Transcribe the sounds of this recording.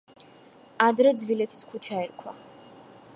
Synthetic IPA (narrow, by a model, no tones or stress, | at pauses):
ad̪ɾɛd̪zvilɛt̪ʰi̥skʰut͡ʃʰaɛɾkʰwa